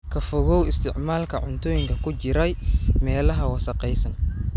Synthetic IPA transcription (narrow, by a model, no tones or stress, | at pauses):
kʰɐfɔɣɔwɪst̪ʰɪʕmaːlkʰɐʕʊnt̪ʰɔːjɪŋkʰɐkʰʊt͡ʃɪɾɛjmɛːlɐɦɐwɐsɐqɛjsɐn